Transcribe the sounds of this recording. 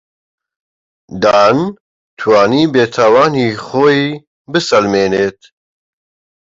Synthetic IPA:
d̪aːn | t̪ʰwaːniːbeːt̪ʰawaːniːχoːi | bɨsɐlmeːneːt̪̚

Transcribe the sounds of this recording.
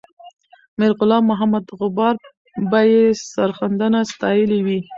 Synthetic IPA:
mɪɾɣʊlɑmːʊɦamad̪ɣʊbɑɾ | bajesaɾxand̪anast̪ɑjəliwi

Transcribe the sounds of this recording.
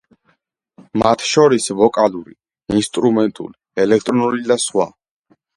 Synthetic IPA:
mat̪ʰʃɔɾisvɔkʼaluɾi | inst̪ʼɾumɛnt̪ʼṵliɛlɛk̚ʰt̪ʼɾɔnuɾid̪asχwa̰

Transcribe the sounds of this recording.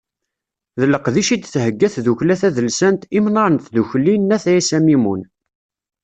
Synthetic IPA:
ðəlːəqðiʃid̪θhəɡːæθðuçlæθæðəlsænt̪imnɑɾˤənt̪ðuçlinːæθæisæmimun

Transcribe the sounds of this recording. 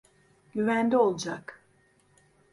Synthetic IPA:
ɟyvænd̪io̞lˠd͡ʒak

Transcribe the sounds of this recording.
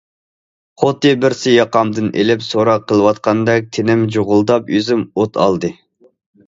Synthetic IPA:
χʰot̪ɨbɪɾsɪjɑqɑmd̪ɨnʔḛlɪpsoɾɑqʰːəlˠɨwɑt̪̚qʰɑnd̪ɑk̚t̪ʰenɪmd͡ʒoʁʊlˠd̪ɑpøzɪmot̪ʰɑ̰lˠd̪ɨ

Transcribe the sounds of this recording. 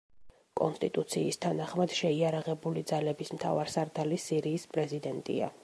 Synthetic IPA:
kʼɔnst̪ʼit̪ʼut̪sʰiːst̪ʰanaχmad̪̥ʃɛiaɾaʁɛbulid̪zalɛbismt̪ʰa̰vaɾsaɾd̪alisiɾiːspʼɾɛzid̪ɛnt̪ʼḭa̰

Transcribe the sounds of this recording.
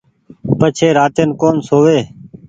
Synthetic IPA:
pət͡ʃʰeːɾaːt̪eːnkoːnsoːʋeː

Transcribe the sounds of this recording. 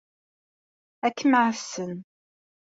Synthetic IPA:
ækːməʕsən

